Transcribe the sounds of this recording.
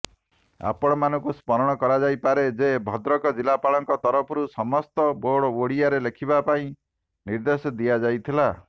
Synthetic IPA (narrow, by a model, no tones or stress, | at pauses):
a̰pɔɽ̃ɔmanɔŋkuspɔɾɔɽ̃ɔkɔɾad͡ʒajpaɾed͡ʒebʱɔd̪ɾɔkɔd͡ʒilapaɭɔŋkɔt̪ɔɾɔpʰɔɾusɔmɔst̪ɔboɽɔoɽiaɾelekʰibapaĩ | niɾd̪esɔd̪ijad͡ʒajt̪ʰila